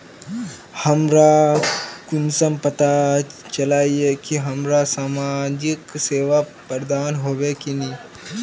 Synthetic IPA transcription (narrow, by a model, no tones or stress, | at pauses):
hɐmɾa | kʊnsɐmpɐt̪at͡ʃɐlaːiekiɦɐmɾasaːmaːd͡ʒɪkseːʋa | pəɾd̪aːnɦoːʋekiniː